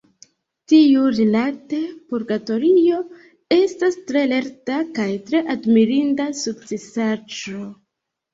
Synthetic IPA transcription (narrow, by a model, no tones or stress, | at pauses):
tiuɾilate̞puɾɡato̞ɾijo̞ | e̞stastɾe̞le̞ɾtakajtɾe̞ʔadmiɾindasuk̚t͡sesaʒo̞